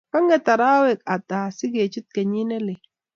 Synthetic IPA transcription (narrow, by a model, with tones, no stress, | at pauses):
ka˦ŋɡe˦t̪a˨ɾaː˦we˨ka˨t̪a˨si˦ɡe˨t͡ʃu˦t̪̚ka˨ɲi˦ne˦le˨